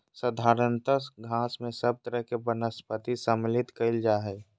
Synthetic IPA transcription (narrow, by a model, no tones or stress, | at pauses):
səd̪ʱaːɾənt̪əsɡʱãːsmẽsɐb̚t̪əɾəɦkebənəspət̪isəmlɪt̪kəɪld͡ʒaːɦɛː